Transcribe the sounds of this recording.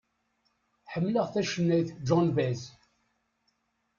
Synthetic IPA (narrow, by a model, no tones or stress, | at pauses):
ħəmːləʁθæʃənːæjθd͡ʒɔnvæz